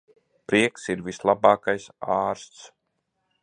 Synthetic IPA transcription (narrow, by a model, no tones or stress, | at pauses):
pɾiɛksiɾvislˠabɑːkajsaːɾst̪s